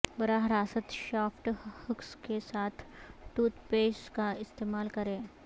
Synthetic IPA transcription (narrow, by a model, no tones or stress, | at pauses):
bɐɾaɦɾaːsət̪ʃaːfʈhʊkskesaːt̪ʰʈuːt̪peːskaɪst̪eːmaːlkɐɾẽː